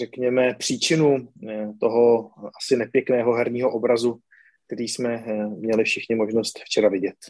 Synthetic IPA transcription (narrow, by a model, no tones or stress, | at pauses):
rɛkɲɛmɛpr̥iːt͡ʃɪnut̪oɦo̞ʔasɪnɛpjɛknɛːɦo̞ɦɛɾɲiːɦo̞ʔobɾazu | k̚t̪ɛɾiːsmɛmɲɛlɪfʃɪxɲɪmo̞ʒnost̪ft͡ʃɛɾavɪɟɛt̪̚